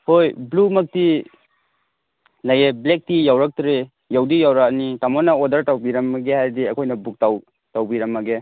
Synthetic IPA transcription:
hojblumɐk̚ti | lajeblek̚tijawɾak̚tɾe | jawdijawɾaknitamɔnɐodɐɾtawbiɾɐmːɐɡehajdiɐkʰojnɐbuk̚taw | tawbiɾɐmːɐɡe

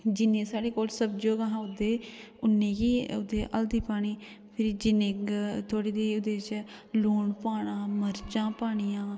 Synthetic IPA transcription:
d͡ʒɪnːẽːsaːɽeːkoːlsəbd͡ʒoːɡaɦãːʊd̪eːʊnːẽːkiːʊ̰d̪eːʔə̰ld̪iːpaːɽ̃iː | pʰɪɾiːd͡ʒɪnẽːt̪ʰoːɽiːd̪eːʊd̪eːt͡ʃ | loːɳpaːɽãːməɾt͡ʃãːpaːɽ̃ijãː

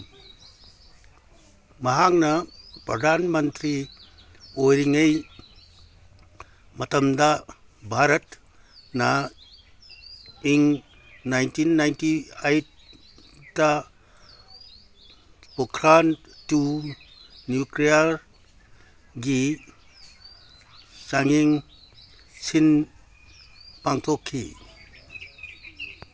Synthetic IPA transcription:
mɐɦaŋnɐpɾɐdʱanmɐnt̪ɾi | ojɾiŋej | mɐtɐmdɐ | bʱaɾɐt | nɐ | iŋ | najntinːajntiajt | da | pokʰɾantu | njuklijaɾ | ɡi | saŋiŋ | sin | paŋtʰokʰːḭ

